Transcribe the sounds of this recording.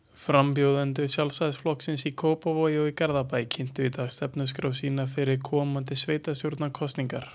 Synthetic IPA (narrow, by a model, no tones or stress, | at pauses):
fɾampjowðant̪̬ʏsjalsaðsflɔhksɪnsikʰoːwpavɔjowikɛɾðapajcʰɪn̥t̪ʏit̪aːɣst̪ɛpnʏskɾaːwsiːnafɪɾɪɾkʰɔːmant̪ɪsveːjt̪ast̪joɾt̪nakʰɔst̪niŋkaɾ̥